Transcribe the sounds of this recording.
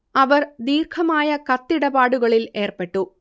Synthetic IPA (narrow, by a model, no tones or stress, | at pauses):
ɐʋɐɾd̪iːɾkʰɐmaːjɐkɐt̪ːɪɽɐbaːɽɯɣɐɭɪleːrpɐʈːɯ